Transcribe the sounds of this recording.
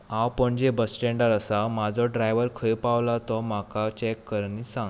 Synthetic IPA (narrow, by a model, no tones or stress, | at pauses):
ãwpəɳd͡ʑebəsʈeɳɖəɾəsamad͡zʱɔɖɾajʋəɾkʰəjpaʋlat̪ɔm̤akat͡ɕɛkːəɾniːsãŋɡ